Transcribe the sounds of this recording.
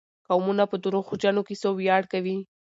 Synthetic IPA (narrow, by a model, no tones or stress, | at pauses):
kawmunapəd̪uɾoxud͡ʒanokesobjɑɽkawi